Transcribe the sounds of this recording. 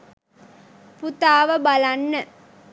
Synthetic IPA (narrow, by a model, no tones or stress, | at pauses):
put̪aːʋəbalanːə